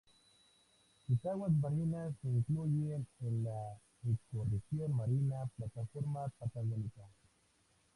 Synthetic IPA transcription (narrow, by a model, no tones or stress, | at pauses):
kisawas̬baɾinaseiŋklujienla | ist̪orefiamaɾinaplat̪afoɾmapat̪aɣanikan